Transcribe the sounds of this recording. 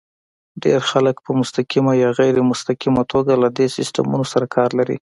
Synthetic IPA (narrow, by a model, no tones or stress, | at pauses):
ɖeɾxaləkpəmʊst̪akimajɑɣajɾemʊst̪akimat̪ʰoɡalad̪esɪsta̰mṵnosaɾakʰɑɾlaɾḭ